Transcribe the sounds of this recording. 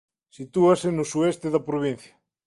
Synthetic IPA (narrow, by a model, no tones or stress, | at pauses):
sit̪uasenosuest̪eðɐpɾoβ̞in̟θjɐ